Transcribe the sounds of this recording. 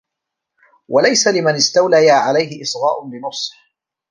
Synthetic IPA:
wʔalajsalɪmanɪst̪awlajaːʕalajhɪʔɪsɣaːʔʊnlɪnʊsˤħ

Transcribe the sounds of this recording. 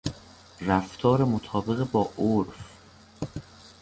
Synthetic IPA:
ræft̪ʰɒːɾemot̪ʰɒːbe̞ɣebɒːʔoɾf

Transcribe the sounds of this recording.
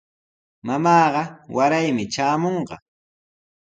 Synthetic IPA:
mamɑːɢɑwaɾajmɪt͡ʃaːmoɴɢɑ̰

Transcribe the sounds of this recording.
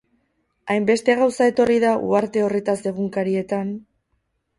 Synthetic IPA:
ajmbe̞st̪e̞ɣawsae̞t̪o̞riðaʔṵaɾt̪e̞o̞re̞t̪ase̞ɣ̞uŋkaɾie̞t̪an

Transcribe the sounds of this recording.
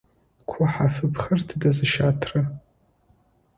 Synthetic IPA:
kʷʰʊħafɨpʰχərtʰdazɨʃatʰrɨ

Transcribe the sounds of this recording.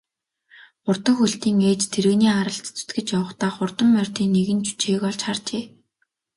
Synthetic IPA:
ʊr̥t̪ə̆ŋxuɮt̪iːŋeːt͡ɕt̪ʰeɾɘ̆ɣniːaɾə̆ɬt̪t͡sʰʊ̥t̪ɡɘ̆t͡ɕjawə̆χt̪aːχʊrt̪ə̆mːœr̥ʲt̪iːŋnːeɣɘ̆nt͡ɕu̥t͡ɕʰeːɣɔɮt͡ɕχart͡ɕeː

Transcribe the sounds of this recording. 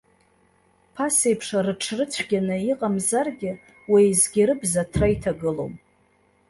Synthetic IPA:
pʰasejpʰʂaɾɨʈ͡ʂʰrɨt͡sʷʰɡʲanɨiqʼamzarɡʲɪ | wajzɡʲɪɾɨbzatʰrajtʰaɡɨlo̞̰wm

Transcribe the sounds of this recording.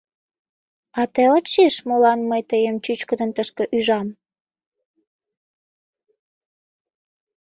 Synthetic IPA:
ɑt̪eot͡ɕeʃmolɑnməjt̪əjəmt͡ɕyt͡ɕkəd̪ənt̪əʃkə̆ʔyʒɑm

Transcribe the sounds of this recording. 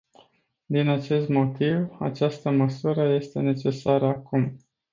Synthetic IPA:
d̪inat͡ʃe̞st̪mo̞t̪iva̰t͡ʃast̪əməsuɾəje̞st̪e̞ne̞t͡ʃe̞saɾəakum

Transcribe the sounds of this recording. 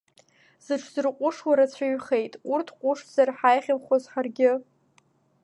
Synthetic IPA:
z̥ɨʈ͡ʂʰzɨrqʷʼʊʂwaɾat͡sʷʰaɥχejtʼurtʰqʷʼʊʂz̥arħajχʲɪmχʷozħarɡʲɪ

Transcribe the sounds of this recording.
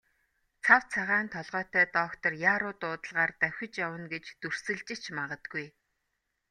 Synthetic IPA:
t͡sʰawt͡sʰaʁaːnt̪ʰɔɮʁœːt̪æːt̪ɔːkt̪ɞ̆rjaːɾʊːt̪ʊːt̪ə̆ɮʁaːrt̪æw̥ʲxʲɪ̆t͡ɕjawə̆nɡet͡ɕt̪ur̥sɘ̆ɮt͡ɕɪ̆t͡ɕʰmaʁə̆t̪̚ɡuj

